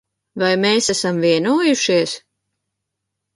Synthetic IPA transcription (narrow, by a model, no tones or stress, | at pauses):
vajmeːsæsamviɛnuːjuʃiɛs